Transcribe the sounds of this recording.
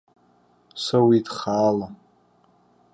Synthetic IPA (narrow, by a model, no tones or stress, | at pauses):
sawidχaːla